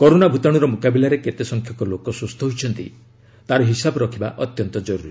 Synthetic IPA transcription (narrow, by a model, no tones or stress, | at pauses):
kɔɾonabʱut̪aɽ̃uɾɔmukabilaɾeket̪esɔŋkʰjɔkɔlokɔsust̪ʰɔɦojt͡ʃʰɔnt̪ḭ | t̪aɾɔɦisabɔɾɔkʰibaʔɔt̪jɔnt̪ɔd͡ʒɔɾuɾi